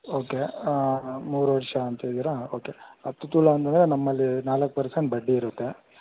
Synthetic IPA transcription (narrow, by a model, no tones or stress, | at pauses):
o̞ːke | muːɾuʋɐɾʂɐːnt̪ɐd̪iːɾaoːke̞ɐt̪ːut̪uːlɐɐnt̪ɐnd̪ɐɾenɐmːɐlːinaːlɐkːpɐɾseɳʈ̚bɐɖːiːɾut̪ːe̞